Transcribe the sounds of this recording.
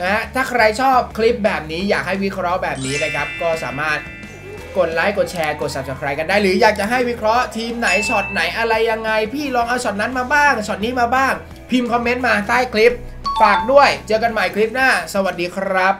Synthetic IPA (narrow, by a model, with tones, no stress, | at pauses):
na˦˧˥ɦa˦˥t̪ʰaː˥˩kʰɾa˧jt͡ɕʰɔː˥˩p̚kʰli˦˥p̚bɛː˨˩p̚niː˦˥jaː˨˩k̚ha˥˩jwi˦˥kʰɾɔ˦˥bɛː˨˩p̚niː˦˥na˧˩kʰa˦˥p̚kɔː˥˩sa̰ː˩˦maː˥˩t̪̚ | ko˨˩t̪̚laː˦˥jko˨˩t̪̚t͡ɕʰɛː˧ko˨˩t̪̚sa˨˩p̚t͡ɕaː˨˩kʰɾa˧jka˧ndaː˥˩jɾɯː˩˦jaː˨˩k̚t͡ɕa˨˩ɦa˥˩jwi˦˥kʰɾɔ˦˥t̪ʰiː˧mna˩˦jt͡ɕʰɔ˨˩t̪̚na˩˦jʔa˧ɾa˧jːa˧ŋːa˧jpʰiː˥˩lɔː˧ŋʔaː˧wt͡ɕʰɔ˨˩t̪̚na˦˥nmaː˧baː˥˩ŋt͡ɕʰɔ˨˩t̪̚niː˦˥maː˧baː˥˩ŋ | pʰi˧mkʰɔ˧mːe˦˥nmaː˧t̪aː˥˩jkʰli˦˥p̚ | faː˨˩k̚du˥˩əjt͡ɕɤː˧ka˧nma˨˩jkʰli˦˥p̚naː˥˩sa˧wa˨˩t̪̚diː˧kʰɾa˦˥p̚